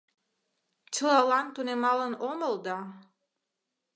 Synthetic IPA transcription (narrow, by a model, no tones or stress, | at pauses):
t͡ʃʰɯlˠɑlˠɑnt̪unʲemɑlˠɯnomolˠd̪ɑ